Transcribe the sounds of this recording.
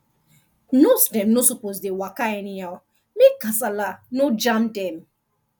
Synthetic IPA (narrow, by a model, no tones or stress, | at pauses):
nosdɛ̃mnosupozdewakaɛniaw | mekːasalanod͡ʒãmdɛ̃m